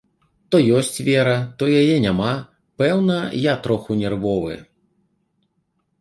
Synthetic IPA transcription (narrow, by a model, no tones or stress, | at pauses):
t̪ɔjɔsʲt͡sʲvʲɛɾɐt̪ɔjajɛnʲama | pɛwnɐjat̪ɾɔxunʲɛrvɔvɨ̰